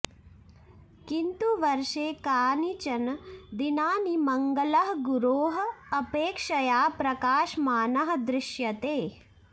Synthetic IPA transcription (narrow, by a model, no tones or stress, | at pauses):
kint̪uʋɐɾʂeːkaːnit͡ʃɐnd̪inaːnimɐŋɡɐlɐɦɐɡuɾoːɦɐ̆ɐpeːkʂɐjaːpɾɐkaːʃmaːnɐɦɐd̪ɾɪʃjɐt̪eː